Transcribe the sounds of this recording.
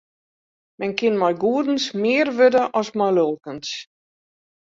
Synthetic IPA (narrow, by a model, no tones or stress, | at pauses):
mɛnkɪnmɔjɡuədən̩smɪːərʋødəʔɔsmɔjlølˠkəns